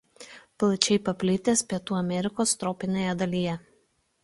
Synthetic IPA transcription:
plˠɐt͡ʃʲɛɪpɐpʲlʲɪt̪ʲeːspʲiɛt̪uːɐmʲɛɾʲɪkoːst̪ɾɔːpʲɪnʲeːjɛd̪ɐlʲiːjɛ

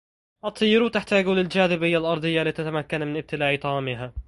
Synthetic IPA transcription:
ʔɑt̪ˤːɨjːɾut̪ɪħt̪aːɡulɪld͡ʒaːðɪbɪjːalʔɑɾˤd̪ˤɨjːaliːt̪at̪amakːanmɪnʔɪb̚t̪ɪlaːʕit̪ˤɑʕamɪɦa

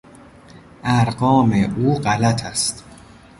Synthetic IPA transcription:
ʔæɾɢɒːmeʔuːɢælæt̪ʰæst̪

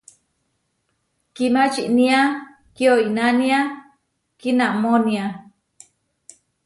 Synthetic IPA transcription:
kimat͡ʃiʔnia | kioinania | kinaʔmonia

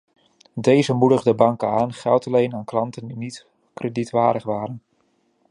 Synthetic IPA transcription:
dejzəmudəχdəbɑŋkəaːnχɛlˠtɑlejnaːnklɑntəndinit | krəditʋaːɾəχʋaːɾən

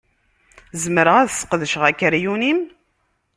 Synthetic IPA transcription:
zəməɾəʁæðsə̥qəðəʃəʁækːəɾjunim

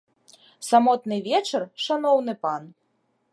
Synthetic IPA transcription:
samɔt̪nɨvʲɛt͡ʂɐrʂanɔwn̪ɨpan

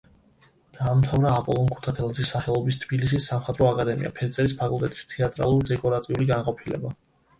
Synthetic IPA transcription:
d̪̥aːmt̪ʰavɾaːpʼɔlˠɔnkʰu̥t̪ʰat̪ʰɛlˠad̪zisːaχɛlˠɔbist̪ʰbilis̬isːamχad̪ɾɔakʼad̪ɛmḭa̰pʰɛɾt̪sʼɛɾispʰakʼulˠt̪ʼɛt̪ʼist̪ʰɛat̪ʼɾa̰lˠuɾd̪ɛkʼɔɾat̪ʼiuliɡanqʼɔpʰilɛ̰ba

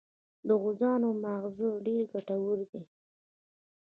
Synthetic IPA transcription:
d̪əɣʊzɑnomaɣzoɖeɾɡaʈawuɾd̪i

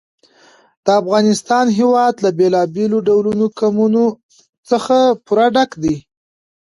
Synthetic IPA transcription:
d̪̥əafɣɑnɪst̪ɑnɦewɑd̪labelɑbeloɖawlunokamuno | t͡səxapuɾaɖakd̪i

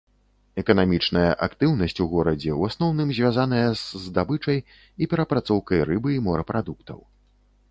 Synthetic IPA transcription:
ɛkɐnamʲit͡ʂnɐjɐ̰ʔakt̪ɨwn̪ɐsʲt͡sʲuɣɔɾɐd͡zʲɛwasnɔwnɨmzʲvʲazanɐjɐzːd̪abɨt͡ʂɐj | ipʲɛɾɐpɾat̪sɔwkɐjɾɨbɨimɔɾɐpɾad̪ukt̪ɐ̰w

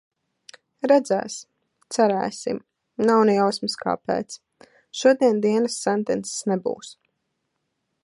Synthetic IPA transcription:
ɾɛd̪zæ̰ːs | t̪sæɾɛ̰ːsḭm | nawnɛjawsmɨska̰ːpɛ̰ːt̪s | ʃuɔd̪iɛnd̪iɛnəsːɛnt̪ɛnt̪sɛ̥snɛbṵːs

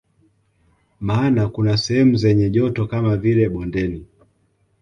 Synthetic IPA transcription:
maːnakunasɛhɛmuzɛɲɛʄɔtɔkamavilɛɓɔndɛni

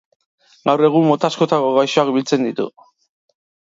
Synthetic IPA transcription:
ɡawre̞ɣ̞umːot̪asko̞t̪ako̞ɣajsoakbilt͡se̞nd̪it̪ṵ

